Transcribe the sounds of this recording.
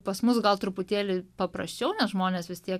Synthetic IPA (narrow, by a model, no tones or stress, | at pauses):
pɐsmʊsɡɐlˠt̪ɾʊpʊt̪ʲeːlʲɪpɐpɾɐ̰sʲt͡ʃʲɛʊnʲɛsʒmoːnʲeːsʋʲɪst̪ʲiɛk